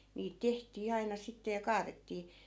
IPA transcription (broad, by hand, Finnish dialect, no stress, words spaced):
niːt tehtiː ɑinɑ sitːe jɑ kɑːretːiː